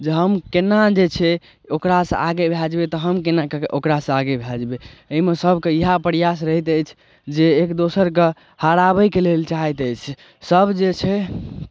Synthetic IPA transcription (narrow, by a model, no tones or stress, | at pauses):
d͡ʒeɦəmkenad͡ʒet͡ʃʰɛ | okɾasə̰̃aɡebʱad͡ʒbet̪ɔɦəmkenakeʔokɾasə̃aɡebʱad͡ʒbeəɦimesəbʱkeiɦapəɾijas̬ɾəɦit̪əjt͡ʃʰ | d͡ʒeːkd̪osəɾke | haɾabəkelelt͡ʃaɦɛt̪əjt͡ʃʰ | səbʱd͡ʒet͡ʃʰɛ